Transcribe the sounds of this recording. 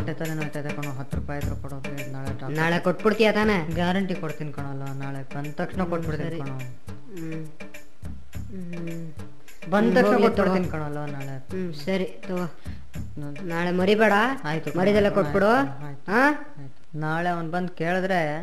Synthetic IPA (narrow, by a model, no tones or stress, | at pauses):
ɐʈːet̪aːɾenot̪ajt̪ɐkɐɳuɦɐt̪ːɾuːpaːjɐd̪ɾupɐɽo | naːɭeʈɐnaːɭekoʈːbiɽt̪ijat̪aːneɡaːɾɐɳʈikoɽt̪inkɐɳ̃olʋɐnaːɭebɐnd̪t̪ɐkʂɳekoʈbiɽt̪inɾkɐɳo | bɐnd̪t̪ɐkʂɳekoʈ̚ːtbiɽinkɐɳolʋanaːɭe | sɐɾit̪o | naːɭemɐɾibeːɽɐaːjt̪umɐɾid̪ɐlːekobiɽoaːjit̪uɦaː | aːjt̪unaːɭeɐʋnbɐnd̪keːɭd̪ɾe